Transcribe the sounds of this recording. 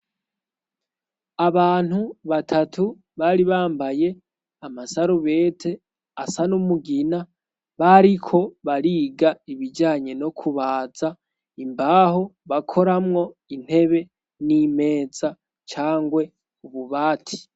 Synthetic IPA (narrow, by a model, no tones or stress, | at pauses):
aβaːn̥huβatʰatʰu | βaɾiβaːmbaje̞ | amasaɾuβe̞ːtʰe̞ | asanumuɡina | βaɾikʰo̞βaɾiːɡaiβid͡ʒaːɲe̞no̞kʰuβaːza | imbaɦoβakʰo̞ɾamŋo̞in̥he̞βe̞ | nime̞ːz̥a | t͡ʃaːŋɡwe̞ | uβuβaːtʰi̥